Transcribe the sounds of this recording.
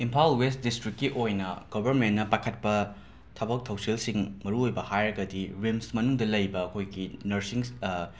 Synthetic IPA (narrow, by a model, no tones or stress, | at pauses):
impʰawlwest̚distɾikːiʔojnɐ̰ɡ̥obʱɐɾmenːɐpakʰɐt̚pɐ | tʰɐbɐk̚tʰɐwselsiŋmɐɾuojbɐhajɾɐɡɐdiɾimsmɐnuŋdɐlɐjbɐːkʰojɡinɐɾsiŋ